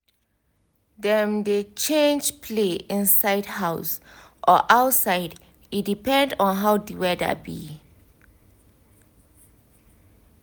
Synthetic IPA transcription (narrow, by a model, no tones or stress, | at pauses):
dɛ̃mdet͡ʃẽnd͡ʒpʰleĩnsaɪdhaʊs | ʔɔʔawtsaɪd | idipɛ̃ndɔ̃nɦawdiwɛda̰bi